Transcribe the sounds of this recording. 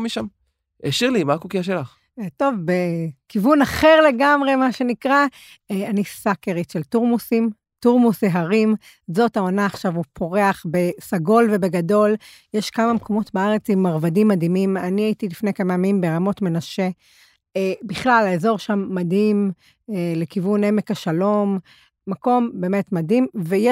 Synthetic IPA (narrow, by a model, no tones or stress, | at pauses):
miʃam | eʃiʁlimakokiaʃelaχ | to̞vbekivunaχe̞ʁle̞ɡamʁe̞maʃe̞nikʁa | eanisakeʁitʃeltuʁmusim | tuʁmuseɦaʁim | zo̞taonaːχʃavupʰo̞ʁe̞aχbe̞saɡo̞lve̞beɡado̞l | jeʃkamamkʰo̞mo̞tbaaʁe̞t͡simːaʁvadimːadimimaniaitilifnejkamamimbeʁamo̞tme̞naʃe̞ | biχlalaezo̞ʁʃamːadim | ele̞kivune̞mekaʃalo̞mː | ako̞mbe̞ːmetmadimvejɛ